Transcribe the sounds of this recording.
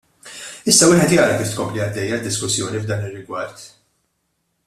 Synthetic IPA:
ɪsːɐwɪːħɛt̪jɐːɾɐkɪːft̪kɔmpliɐd̪ːɛjːɐd̪ːɪskʊsːjɔːnivd̪ɐːnɪrːɪɡwɐɾt̪

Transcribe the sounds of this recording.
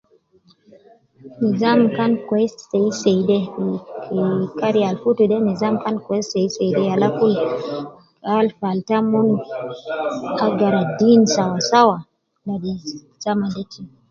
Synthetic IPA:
nizamkankwɛssɛisɛjdɛ | kaɾialfutuɗɛnizamkankwɛssɛisɛjdɛjalakul | alfaltamɔnu | aɡaɾadinsawasawa | laɗi | samadɛtʰi

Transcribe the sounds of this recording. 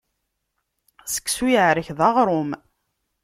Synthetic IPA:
sə̥kːsujəʕɾəçðɑʁɾˤʊm

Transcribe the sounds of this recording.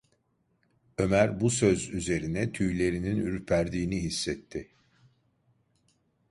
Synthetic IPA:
ø̞mæɾbusø̞zyze̞ɾinɛt̪ʰyjlʲe̞ɾininyɾpʰæɾd̪iːniɦisːɛt̪ʰːɪ

